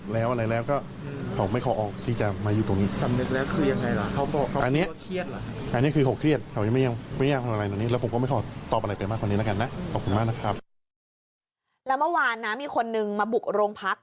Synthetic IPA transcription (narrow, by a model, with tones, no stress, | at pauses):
lɛː˦˥wʔa˧ɾa˧jlɛː˦˥wkɔː˥˩ | kʰa˨˩wma˥˩jkʰɔː˧˩ʔɔː˧˩k̚t̪ʰiː˥˩t͡ɕa˨˩maː˧juː˨˩t̪o˧ŋniː˦˥sa˨˧˩mnɯ˦˩k̚lɛː˦˥wkʰɯː˧ja˧ŋːa˧jla˨˩kʰa˦˥wkɔː˨˩kʰa˦˥ʔa˧nːi˦˥ɐ˧kʰɾi˥˩ət̪̚la˨˩˥ʔa˧nːi˦˥˩kʰɯː˧kʰa˨˩˦wkʰɾi˥˩ət̪̚kʰa˩wja˧m˥˩ja˧ŋma˥˩˨jaː˧˩pʰːj̪t̪ːni˦˥lːpʰo˨˦kɔː˥˩ma˥˩jkʰɔː˧˩t̪ɔː˨˩p̚ʔa˧ɾa˧jpa˧jmaː˥˩kʰa˧niː˦˥la˦˥ka˧nːa˦˥ʔkʰɔː˨˩p̚kʰu˧nmaː˥˩k̚na˦˥kʰɾa˦˥p̚ | lɛː˦˥wmɯ˥˩waː˧nːa˦˥miː˧kʰo˧nːɯ˧ŋmaː˧bu˨˩k̚ɾoː˧ŋpʰa˦˥k̚